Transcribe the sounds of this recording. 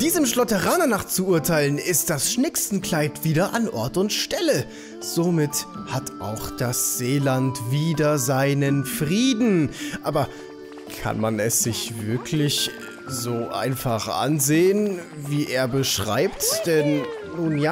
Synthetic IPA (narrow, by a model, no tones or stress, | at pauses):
d̥iːzəmʃlɔtəʁaːnɐnaːχt͡suʔuɐtʰaɪlənɪst̚d̥asʃnɪksn̩kl̥aɪtv̥iːdɐʔanʔɔɐtʊntʃtɛlə | z̥omɪthatʔa̰ʊxd̥asz̥eːlantviːdɐzaɪnənfʁiːdn̩ʔaːbɐ | kʰa̰nmanɛsz̥ɪçvɪɐkʰlɪç | zoːʔa̰ɪnfaχʔa̰nzeːənviːʔeːɐbəʃʁ̥a̰ɪptd̥ɛnː | uːnjaː